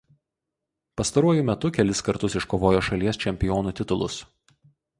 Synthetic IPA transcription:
pɐst̪ɐɾuɔjumʲɛt̪ʊkʲɛlʲɪskɐɾt̪ʊsɪʃkoːʋoːjoːʃɐlʲiɛst͡ʃʲɛmʲpʲɪjoːnuːt̪ʲɪt̪ʊlˠʊ̰s

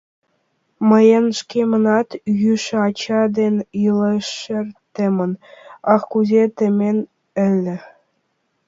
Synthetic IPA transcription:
mɤ̆jenʂkʲemɤ̆nɑt̪jyʃɑt͡ɕɑd̪ʲenʲilˠɤʂɘ̆rt̪ʲĕmʲɘ̆nɑχkuzʲet̪ʲĕmʲenʲ | ɘ̆lʲːɘ̆

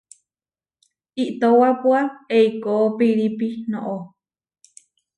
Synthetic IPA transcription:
iʔt̪owapuaeikoopiɾipinõʔo

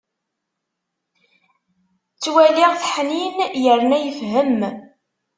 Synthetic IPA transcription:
t͡sːwæliʁθħninjəɾnæjəfɦəm

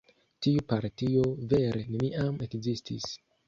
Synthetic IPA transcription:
tiupaɾtio̞ve̞ɾene̞niʔame̞kzistis

